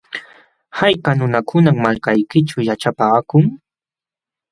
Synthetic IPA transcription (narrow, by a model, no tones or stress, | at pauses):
hajkanʊnakʰʊnaŋmːalkajkɪʈ͡ʂʊjaʈ͡ʂapaːkʊŋ